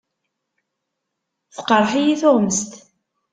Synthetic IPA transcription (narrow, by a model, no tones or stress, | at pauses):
θqəɾˤħijiθoʁməst̪